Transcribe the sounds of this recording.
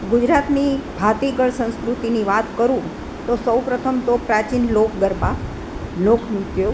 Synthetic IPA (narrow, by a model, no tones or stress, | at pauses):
ɡud͡ʒɾat̪nibʱat̪iɡəɭsə̃ñskɾut̪iniʋat̪kəɾũ | t̪osəwpɾət̪ʰəmt̪opɾat͡ʃinlokʰɡəɾba | lokʰmukjo